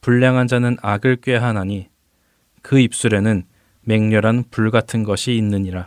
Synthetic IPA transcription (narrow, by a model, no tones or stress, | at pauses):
puɭːaŋɦand͡ʑanɯnaɡɯɭk͈ɥwe̞ɦanaɲi | kɯip̚s͈uɾe̞nɯn | me̞ŋɲʌɾanpuɭɡatʰɯnɡʌɕʰiːnːɯɲiɾa